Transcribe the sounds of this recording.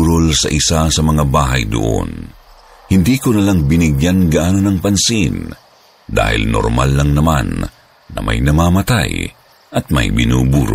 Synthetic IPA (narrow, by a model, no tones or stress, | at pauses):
ɾolsɐʔɪsasɐmɐŋabaːɦɐjd̪o̰ʔo̰n | hɪnd̪iːkonɐlaŋbɪnɪɡjanɡɐaʔaːnonɐŋpɐnsin | d̪a̰ːhɪ̰lno̰ɾma̰lːɐŋnɐma̰nː | ɐ̰mʔa̰jnɐmaːmɐt̪a̰j | ʔɐt̪̚ma̰jbɪ̰nṵːbuːɾo̰